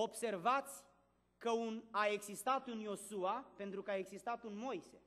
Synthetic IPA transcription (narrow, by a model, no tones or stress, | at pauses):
o̞bse̞rvat̪sʲ | kəunae̞ɡzist̪at̪unjo̞suape̞nt̪ɾukəae̞ɡzist̪at̪unmo̞jse̞